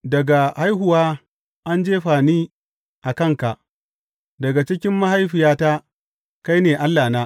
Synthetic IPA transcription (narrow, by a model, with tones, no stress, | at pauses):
dɐ˨ɡa˨ha˦jɦʊ˨waː˦ | ʔa˦nd͡ʒeː˦ɸaː˨niː˦ | ʔa˨kɐ˦˨ŋka˨ʔ | dɐ˨ɡa˨t͡ʃɪ˦kʲɪ˦mːa˦ha˦jɸɪ˨jaː˦ta˦ | ka˦jneː˨ʔa˦lːaː˨naː˦